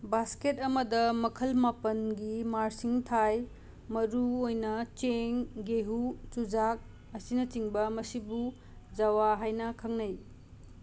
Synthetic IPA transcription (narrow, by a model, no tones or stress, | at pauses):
basketɐmɐdɐmɐkʰɐlmapɐnɡimaɾsiŋtʰaj | mɐɾuojnɐt͡ʃeŋɡeɦut͡ʃud͡ʒak̚ | ɐsinɐt͡ʃiŋbɐmɐsibu | d͡ʒawaɦajnɐkʰɐŋnɐj